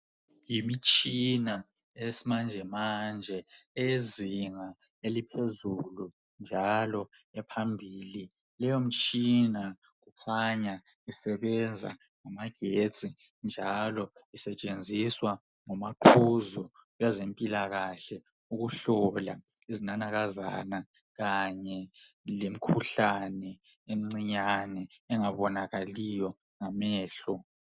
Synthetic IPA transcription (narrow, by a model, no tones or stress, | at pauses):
jimit͡ʃʼina | esimand͡ʒʱɛmand͡ʒʱɛeziŋa | elipʰezulu | nd͡ʒʱalɔ | ɛpʰambʱiːli | lɛjom̩t͡ʃʼina | ɣukʰaɲa | isɛɓɛnd͡zʱa̰ | ŋamaɡ̥ʱed̥t͡sʼind͡ʒʱalɔisɛt͡ʃʼend͡zʱiswa | ŋɔmaǃʰuzɔwazempʼilaɣaɬɛ | uɣuɬɔla̰ | izinanaɣaza̰na | ɣaɲɛ | lem̩kʰuɬanɛ | em̩ŋ͡ǀiɲanɛɛŋaβɔnaɣalijɔ | ŋamɛːɬɔ